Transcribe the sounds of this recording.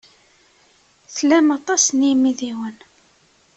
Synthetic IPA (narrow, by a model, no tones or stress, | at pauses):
θlæmɑt̪ˤɑsnimiðiwən